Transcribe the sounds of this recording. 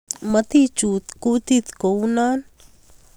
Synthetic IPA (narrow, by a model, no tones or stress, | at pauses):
mət̪it͡ʃut̪kut̪it̪kownan